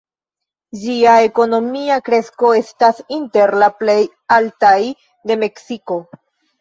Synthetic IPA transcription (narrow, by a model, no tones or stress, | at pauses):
d͡ʒiae̞ko̞no̞miakɾe̞sko̞e̞stasinte̞ɾlaple̞j | altaj | de̞me̞ksiko̞